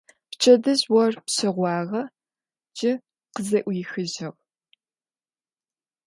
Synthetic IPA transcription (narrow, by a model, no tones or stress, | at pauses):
pt͡ʃʰɐdɐzwɔrpɕɐʁʷɑːʁɐ | d͡ʒʼɪ | qəzɐʔʷjɪxɨʑɐʁ